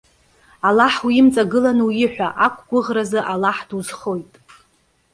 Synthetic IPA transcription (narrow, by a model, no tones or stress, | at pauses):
alaħwɪmt͡sʼaɡɨlanwjɪħʷᶣaʔakʷʰʼɡʷʊʁrazɨʔalaħd̥uzχo̞jtʼ